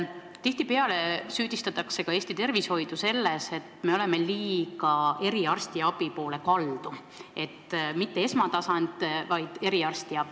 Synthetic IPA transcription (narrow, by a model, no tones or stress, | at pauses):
t̪iht̪ipe̞ɑle̞syːd̪̥ist̪ɑt̪ːˑɑkse̞kɑe̞ːst̪it̪e̞rvisho̞jd̪̥use̞lːese̞t̪me̞o̞le̞meliːkɑe̞ɾiɑrst̪iɑb̥ipo̞ːle̞kɑld̪̥u | e̞t̪ːmit̪ːe̞e̞smɑt̪ɑsɑnt̪vɑjd̪̥e̞ɾiɑrst̪iɑbi